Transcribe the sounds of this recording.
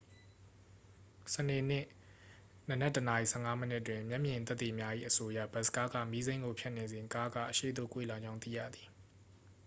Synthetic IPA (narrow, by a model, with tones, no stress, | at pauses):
səne˨n̥ɪ˦˨ | nə˨nɛ˦˨təna˨i˨sɛ̰˦˨ŋa˦mənɪ˦ʔətwɪ̃˨mjɛ˦ʔmjɪ̃˨nt̪ɛ˦t̪ːi˨mja˦ʔḭ˦˨ʔəso˦ja̰˦˨bɛ˨˦ʔsə̥ka˦ɡa̰˦˨mi˦zẽ˦ɪ̃ŋɡo˨pʰjɛ˦ʔne˨zẽ˨ka˦ɡa̰˦˨ʔəʃḛ˦˨d̪o̰˦˨kwḛ˦˨la˨d͡ʑã˦ʊ̃t̪ḭ˦˨jä̰˦˨d̪i˨